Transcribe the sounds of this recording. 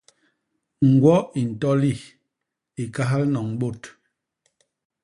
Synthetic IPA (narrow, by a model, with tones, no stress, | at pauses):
ŋ̩˨ɡwɔ˦i˨n̩˨tɔ˦li˦˨ | i˨ka˦ɦa˦lnɔ˨ŋɓo˦˨t